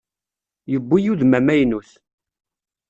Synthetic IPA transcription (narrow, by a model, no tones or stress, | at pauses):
jəbːujuðmæmæjnuθ